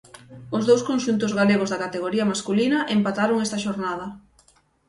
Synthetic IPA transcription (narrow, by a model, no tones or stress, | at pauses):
ʊzðowskonʃunt̪ʊzɣaleɣozðɐkat̪eɣoɾiɐmaskulinɐʔempat̪aɾoŋɛst̪ɐʃoɾnað̞ɐ